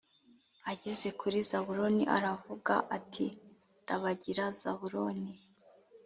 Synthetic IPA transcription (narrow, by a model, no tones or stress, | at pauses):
aɟe̞ze̞kʰuɾizaβuɾo̞niʔa̰ɾavuɡaʔatʰi | ndaβaɟiɾaz̥aβuɾoni